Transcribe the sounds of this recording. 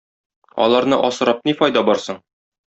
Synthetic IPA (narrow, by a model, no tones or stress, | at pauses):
ɒ̰lˠɑɾnɤʔɒsɤ̆ɾɑp̚nifɒjd̪ɑbɒɾsɤɴ